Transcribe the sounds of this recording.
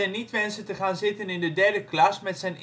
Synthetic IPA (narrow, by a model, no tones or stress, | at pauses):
ɛjnitʋɛnsətəχaːnzɪtənɪndədɛɹdəklɑsmɛtsɛjn